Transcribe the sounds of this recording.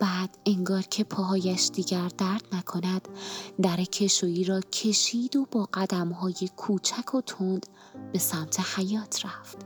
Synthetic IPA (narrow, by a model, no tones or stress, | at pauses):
b̥æːd̪̥eŋɡɒːɾcʰe̞pʰɒːɦɒːjæʃd̪iːɟæɾd̪æɾd̪̥nækʰo̞næd̪̥ːæɾecʰe̞ʃoiːɾɒːcʰe̞ʃiːd̪o̞bɒːɢæd̪æmɦɒːje̞kʰuːt͡ʃʰækʰo̞t̪ʰond̪̥ | be̞sæmt̪ʰe̞hæjɒːt̪ʰɾæft̪